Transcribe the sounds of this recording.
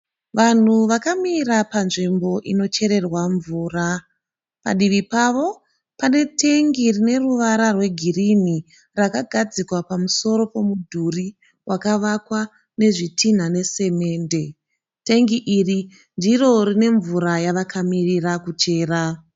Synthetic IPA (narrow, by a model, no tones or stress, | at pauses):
ʋan̤uʋakamiɾapanʐimbo̞ʔino̞t͡ʃe̞ɾe̞rwaɱvuːra | pa̰ɗiʋipaʋo̞ | pane̞tʰe̞ŋɡirine̞ruʋaɾarwe̞ɡʱirini | rakaɡʱad͡zikwapamuso̞ɾo̞po̞mudʱuri | wʔakaʋakwa | ne̞ʐitʰin̤ane̞se̞me̞ːnde̞ | te̞ŋɡiʔiri | ndiro̞rine̞ɱvuɾajaʋakamirirakut͡ʃe̞ːra